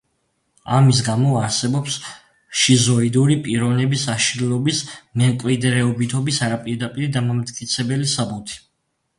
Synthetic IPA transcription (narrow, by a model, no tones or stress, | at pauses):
a̰mis̬ɡamɔaɾsɛbɔps | ʃizɔid̪uɾipʼiɾɔvnɛbisaʃlɔbismɛŋkʼlid̪ɾɛɔbit̪ʰɔbisaɾapʼiɾd̪apʼiɾid̪amamt̪kʼit̪sʰɛbɛlisabut̪ʰi̥